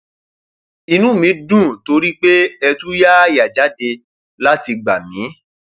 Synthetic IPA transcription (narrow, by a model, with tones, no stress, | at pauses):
i˧nũ˨˦mĩ˨˦dũ˦˨to˧˦ɾi˦k͡pe˦ɛ˧tũ˦ja˦a˦ja˨d͡ʒa˨˦de˧ | la˦ti˧ɡ͡ba˨mĩ˨˦